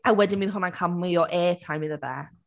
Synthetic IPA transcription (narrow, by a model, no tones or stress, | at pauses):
awɛdɪnmiːnhɦʊnankʰamlɨɔʔɛːtʰajmɪðəðɛ̰